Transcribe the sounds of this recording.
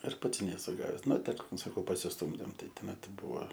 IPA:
ɪr ˈpɐts nʲɛˈsʊ ˈɡɑːʋʲɛs ˈnʊ ˈtʲɪk sɐˈkɐʊ pɐsʲɪsˈtuːmʲdʲeːm ˈtɐɪ toːˈmʲɛt ˈbuɔ

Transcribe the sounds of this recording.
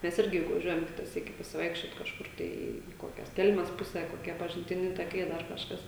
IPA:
ˈmʲɛs ˈɪrʲɡʲɪ jʊk ʋɐˈʒʲuɔjɛm ˈkʲɪtɐ ˈsʲiːkʲɪ pɐsʲɪˈʋɐɪkʃʲt͡ʃʲoːt kɐʃˈkʊr ˈtɐɪ iː ˈkoːkʲɛs ˈkʲɛlʲmʲɛs ˈpʊsʲæː koːˈkʲiɛ pɐʒʲɪnʲtʲɪˈnʲɪ tɐˈkɐɪ ˈdɐr kɐʃˈkɐs

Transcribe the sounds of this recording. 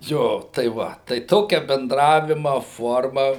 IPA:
ˈjoː tɐɪ ˈʋɐ tɐɪ ˈtoːkʲɛ bʲɛnˈdrɑːʋʲɪmɐ ˈfoːrmɐ

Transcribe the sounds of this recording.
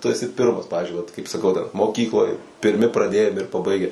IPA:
tʊ ɛˈsʲɪ ˈpʲɪrmɐs ˈpɑːʋʲɪzʲd͡ʒʲʊɪ ʋɐt kɐɪp sɐˈkɐʊ dɐr moːˈkʲiːklˠoːj pʲɪrʲˈmʲɪ prɐˈdʲeːjɛm ɪr pɐˈbɐɪɡʲɛ

